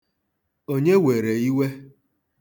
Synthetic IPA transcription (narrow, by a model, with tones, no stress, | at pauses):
o˦ɲe˦we˨ɾe˨i˦we˦